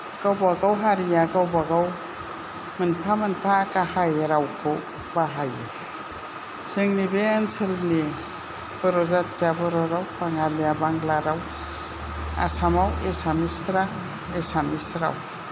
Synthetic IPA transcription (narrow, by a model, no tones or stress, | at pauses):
kawbaɡawɦaɾijakawbaɡaw | mɯnpʰamɯnpʰakahajeɾawkʰu | baɦajḛ | sɯŋnibeːnsɯlni | b̥ɔɾɔzatsabɔɾɔɾawpaŋaljabaŋɡlaɾaw | a̰samawesamispʰɾa | esamisɾa̰w